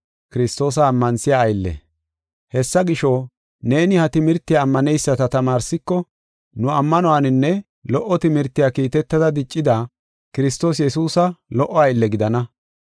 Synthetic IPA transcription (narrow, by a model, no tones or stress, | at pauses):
kɪɾɪst̪o̞ːs̬ɐːmːɐnsɪjaːjlːɛ̰ | hɛsːɐɡɪʃɔ | ne̞ːnɪhɐt̪ɪmɪɾt̪ːɪjaːmːɐnɛjsːɐt̪ɐt̪ɐmaːɾsɪkːɔ | nʊɐmːɐnɔwanɪnːɛ | lɔʔːɔt̪ɪmɪɾt̪ːɪjakiːt̪ɛt̪ːɐd̪ɐd̪ɪt͡ʃʼːɪd̪a | kɪɾɪst̪o̞ːs̬jɛsuːsɐlɔʔːɔɐjlːɛɡɪd̪ɐnɐ